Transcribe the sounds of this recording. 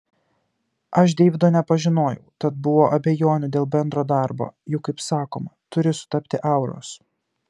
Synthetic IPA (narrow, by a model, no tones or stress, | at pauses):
ʔɐʃd̪ʲeːʋʲɪd̪oːnʲɛpɐʒʲɪnoːjɛ̰ʊt̪ɐt̪̚bʊʋoːʔɐbʲɛjoːnʲʊd̪ʲeːlˠbʲɛnd̪ɾoːd̪ɐˑɾbo̰ːjʊkːɐɪpsɑːko̰ːmɐt̪ʊɾʲɪsʊ̥t̪ɐpʲt̪ʲɪʔɐˑʊɾo̰ːs